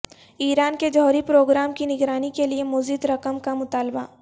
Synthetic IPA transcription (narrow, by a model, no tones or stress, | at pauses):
iːɾaːnked͡ʒɔɦɾipɾoːɡɾaːmkinɪɡɾaːnikeliemʊzɪd̪ɾɐkəmkamʊt̪aːlba̰